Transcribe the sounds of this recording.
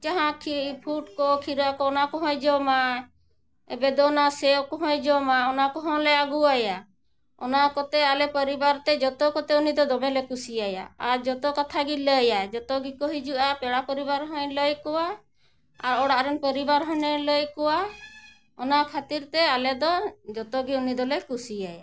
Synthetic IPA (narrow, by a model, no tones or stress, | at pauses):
d͡ʒaɦãkʰipʰuʈkɔkʰiɾakɔɔnakɔɦɔ̃jd͡ʒɔma | ɛ̰bɛd̪ɔnasɛwkɔɦɔ̃jd͡ʒɔmaɔnakɔɦɔ̃lɛaɡuaja | ɔnakɔt̪ɛalɛpəɾibaɾt̪ɛd͡ʒɔt̪ɔkɔt̪ɛunid̪ɔd̪ɔmɛlɛkusiaja̰aɾd͡ʒɔt̪ɔkɔt̪ʰaɡiləjad͡ʒɔt̪ɔɡikɔɦid͡ʒuʔapɛɽapəɾibaɾɦɔjləjkɔwa | aɾɔɽaʔɾɛnpəɾibaɾɦɔnɛləjkɔwa | ɔnakʰat̪iɾt̪ɛalɛd̪ɔd͡ʒɔt̪ɔɡiunid̪ɔlɛkusiaja̰